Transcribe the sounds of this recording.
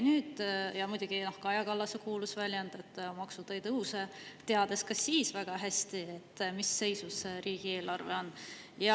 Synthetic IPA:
nyːd̪̥jɑmujd̪ʲuɡ̥inohkɑjɑkɑlːɑsekuːlusvælʲjɑnd̪̥e̞t̪ːmɑksud̪̥ɑjt̪ɤwset̪e̞ɑd̪̥eskɑsːiːsvæɡ̥ɑɦæsʲt̪iet̪ːmisːe̞jsuseɾiːɡ̥ie̞ːlɑrvḛo̞nː | jɑ

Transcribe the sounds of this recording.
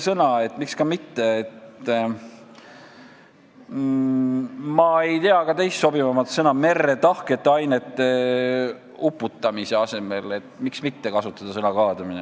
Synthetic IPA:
sɤnɑe̞t̪ːmikskɑmit̪ːe̞ːt̪ | mɑe̞jt̪eɑɡɑt̪e̞jst̪so̞bivɑmɑt̪sɤnɑme̞rːet̪ɑhke̞t̪ːeɑjne̞t̪ːˑe̞ | upːˑut̪ːˑɑmise̞ɑse̞me̞le̞t̪miksmit̪ːe̞kɑsut̪ːˑɑd̪̥ɑsɤnɑkɑːd̪ɑmine

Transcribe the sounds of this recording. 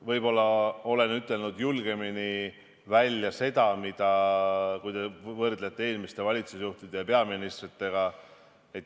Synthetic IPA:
vɤjbo̞lːɑo̞le̞nyt̪ːˑe̞lnud̪julɡ̥e̞mini | vælʲːjɑse̞d̪̥ɑmid̪̥ɑkujd̪e̞vɤrd̪le̞t̪ːˑeeːlmist̪e̞vɑlʲit̪susjuht̪id̪̥e̞jɑpe̞ɑminist̪rit̪ːe̞ɡ̥ɑ | et̪ː

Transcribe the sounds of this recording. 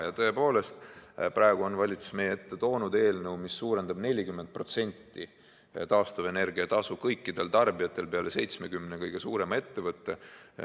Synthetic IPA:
jɑt̪ɤ̞e̞po̞ːle̞st̪prɑe̞ɡ̥uo̞nvɑlʲit̪su̥sme̞jeet̪ːe̞t̪o̞ːnud̪e̞ːlnɤwmisːuːɾe̞nd̪̥ɑbne̞lʲikymːe̞nd̪̚pro̞t̪se̞nʲt̪ˑːi | t̪ɑːst̪ɑve̞ne̞rɡ̥iɑt̪ɑsukɤjkːid̪̥e̞lt̪ɑrbiɑt̪ːˑe̞lpeɑle̞se̞jt̪sme̞kymnekɤjɡ̥e̞suːɾe̞mɑe̞t̪ːe̞vɤt̪ːˑe̞

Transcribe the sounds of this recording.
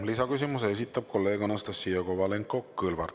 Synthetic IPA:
lisɑkysimusees̬it̪ːˑɑb̥̚kʰo̞lːe̞ːɡonɑst̪ɑsːiːokovɑle̞ŋkːˑo̞kɯlvɑ̰rt̪

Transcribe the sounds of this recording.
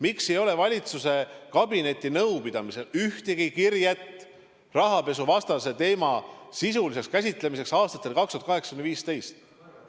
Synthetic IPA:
miksejo̞le̞vɑlʲit̪suse̞kɑbine̞t̪ʲːˑinɤwpid̪̥ɑmise̞lyht̪eɡikirjet̪ː | rɑɦɑpe̞s̬uvɑst̪ɑse̞t̪e̞ːmɑsis̬ulis̬e̞kskæsʲit̪ˑle̞mis̬e̞ksɑːst̪ɑt̪ːˑe̞lkɑkst̪uɑt̪kɑɦeksɑ̥kynviːst̪e̞jst̪

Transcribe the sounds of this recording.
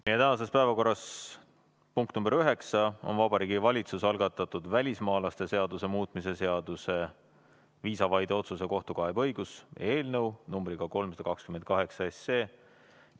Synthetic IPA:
meje̞t̪æɦɑse̞spæevɑko̞rːɑs | puŋkt̪numbeɾyɦe̞ksɑo̞̰nvɑbɑɾiːɡivɑlʲit̪susɑlɡ̥ɑt̪ːˑɑt̪ːˑud̪vælʲismɑːlɑst̪e̞se̞ɑd̪use̞muːt̪ˑmise̞se̞ɑd̪̥use̞ | viːsɑvɑjd̪̥eo̞t̪sus̬e̞ko̞ht̪ukɑebɤ̞jɡ̥use̞ːlnɤwnumbɾiɡ̥ɑko̞lmsɑd̪̥ɑkɑkskymenkɑɦe̞ksɑesːeː

